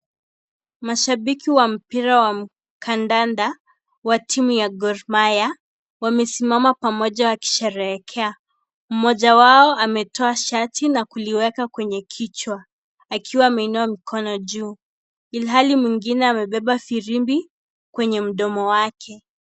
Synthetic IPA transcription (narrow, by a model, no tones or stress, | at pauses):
maʃaɓikiwam̩piɾawam̩ | kʰandanda | watʰimujaɡɔɾmaja | wamɛsimamapamɔʄawaki̥ʃɛɾɛɛkʰɛa | m̩mɔʄawaɔamɛtʰɔaʃatinakuliwɛkakwɛɲɛkʰit͡ʃwa | akʰiwaːmɛinuamikʰɔnɔʄuː | ilɦalimwiŋɡinɛamɛɓɛɓafiɾimbi | kwɛɲɛm̩ɗɔmɔwakʰɛ